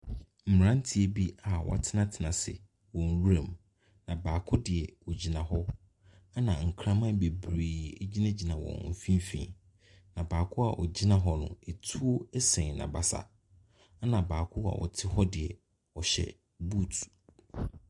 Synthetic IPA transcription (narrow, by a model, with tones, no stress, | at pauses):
m̩˨m˨ɾã˦n̩˦tʰi˦e˦bi˦a˨wʔɔ̰˨tʰɪ˦nã˦tʰɪ˨nã˨sɪ̰˨ | wɔ̃˨n̩˨wu˦ɾa˨m | nã˨baː˨kʰʊ˦dɪ˨ɛ˨wɔ˨d͡ʑi˨nã˨ɦɔ˦ | a˦nã˨ŋ̩˨kʰɾã˦mã˦be˨bɾeː˨e˦d͡ʑi˦nã˦d͡ʑi˨nã˨wɔ̰̃˨m̩˨fĩ˦m˦fḭ̃˦ | nã˨baː˨kʰʊ˦a˨ʔɔ˨d͡ʑi˦nã˨ɦɔ˦nʊ̰̃˨e˨tʰu˦o˦ɛ˦sɛ̃˨nã̰˨ba˨sa̰˨˦ | nã˨baː˨kʰʊ˦a̰˨wʔɔ̰˨tʰɪ˦hɔ˦dɪ˨ɛ˨ | ɔ˨ɕɛ̰˨ | bu˦˨tʰu̥˨